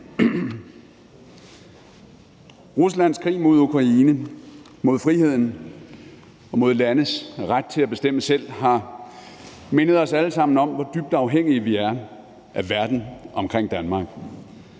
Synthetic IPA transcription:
ʁuslæn̰skʰʁḭːmo̝ð̞̰ˠukʰʁɑ̈iːnə | mo̝ðˠfʁihe̝ð̰ˠn̩ | ɒ̽mo̝ð̞̰ˠlænəsʁad̥̚t͡sʰe̝læb̥e̝sd̥em̰əsel̰ɦɑ̈ | menəð̞̩ˠɒ̽sæləsɑ̈m̰n̩ɒ̽mʋɒ̽d̥yb̥̚d̥ɑ̈ʊɦeŋ̰iəʋiæɐ | ʔæʋæɐd̥n̩ɒ̽mkʰʁeŋ̰d̥ænmɑ̈ɡ̥

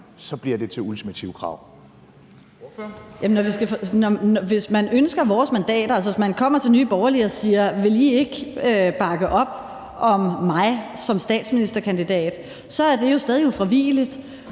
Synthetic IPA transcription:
sɒ̽b̥liɐd̥e̝t͡sʰe̝lult͡sʰimæt͡sʰḭʊkʰʁɑ̈ʊ̰ | jemnɒʋisɡ̥æfnɒnʋe̝smænønsɡ̥ɐʋɒːsmænd̥ɛ̰ːd̥ɐæls̬ɐʋe̝smænkʰɒ̽m̰ɐt͡sʰe̝lnyːb̥ɒʊɐliɒsiːɐʋe̝lie̝ɡ̥øb̥ɑ̈ɡ̥əʔɒ̽b̥̚ | ʔɒ̽mːɑ̈ɪsɒ̽msd̥ɛ̰ːd̥sminisd̥ɐkʰænd̥id̥ɛ̰ːd̥ | sɒ̽æɐd̥e̝jo̝sd̥ɛːð̞ˠiufʁiʋḭːlid̥

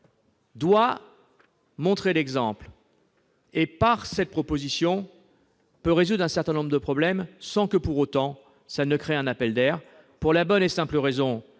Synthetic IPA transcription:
d̪wa | mɔ̃t̪χelɛɡzɑ̃pl | epaʁsɛt̪̚pχɔpozisjɔ̃ | pøʁezud̪ʁɛ̃sɛʁt̪ɛ̃nɔ̃bʁəd̪əpχɔblɛmsɑ̃kəpuʁot̪ɑ̃ | sanəkχeɛ̃napɛld̪ɛʁ | puʁlabɔnesɛ̃pləʁezɔ̃

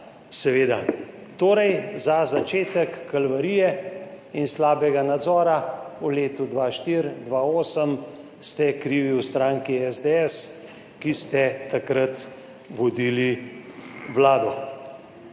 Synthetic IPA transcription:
sɛʋeːd̪a | t̪oːɾɛjzazat͡ʃeːt̪əkːalʋaɾijɛ | inslaːbɛɡanad̪zɔːɾauleːt̪ud̪ʋaʃt̪iɾd̪ʋaːoːsəm | st̪ɛkɾiːʋiwst̪ɾaːŋkiɛzd̪ɛɛs | kist̪ɛt̪akɾat̪ | ʋɔd̪iːli | ʋlaːd̪ɔ

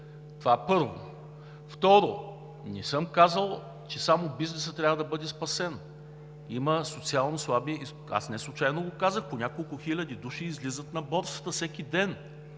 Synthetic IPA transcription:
t̪ovapɤɾvo̰ | ft̪ɔɾo | nɛsɤmkazəlˠ | t͡ʃɛsamobiznɛsət̪ːɾʲavɐd̪ɐbɤd̪ɛspɐsɛn | iməsot̪sialˠnoslˠabiɛi | a̰snɛslˠut͡ʃajnoɡokazəxponʲakolˠkʊxilʲɐd̪id̪uʃiːzlʲizət̪nɐbɔɾsə̥t̪əfsɛkid̪ɛn

